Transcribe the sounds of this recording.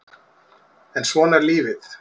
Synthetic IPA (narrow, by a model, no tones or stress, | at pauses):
ɛnsvɔːnɛɾliːvɪθ